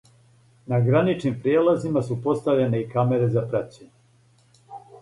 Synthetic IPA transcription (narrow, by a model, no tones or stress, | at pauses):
naɡɾanit͡ʃnimpɾijeːlazimasupo̞st̪aʋʎene̞ikame̞ɾe̞zapɾat͡ɕeɲe